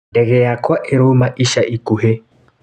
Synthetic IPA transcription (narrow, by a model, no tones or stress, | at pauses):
dɛɣɛjakwaʔɛɾumaʔiʃaʔikuɦe